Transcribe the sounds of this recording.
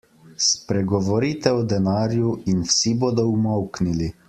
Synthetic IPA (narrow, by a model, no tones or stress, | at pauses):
spɾɛɡɔʋɔɾiːt̪ɛɔd̪ɛnaːɾjuinwsiboːd̪ɔumɔwknili